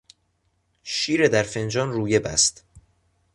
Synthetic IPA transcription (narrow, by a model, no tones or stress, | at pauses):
ʃiːɾed̪æɾfe̞nd͡ʒɒːnruːje̞bæ̰st̪